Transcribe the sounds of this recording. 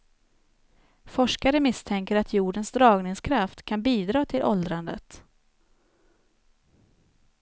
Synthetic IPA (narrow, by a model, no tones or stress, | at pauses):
fɔʂkaɾəmɪst̪ʰɛŋkəɾat̪ʰjuːɖənsd̪ɾɑːɡnɪŋskʰɾaft̪kʰanbiːd̪ɾɑːt̪ʰɪlʔɔld̪ɾand̪ə̰t̪